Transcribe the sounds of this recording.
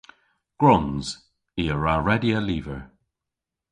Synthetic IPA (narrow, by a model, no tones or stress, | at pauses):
ɡ̥ɹʊnz̥ | iːəɹaɹɛdiəliːvəɹ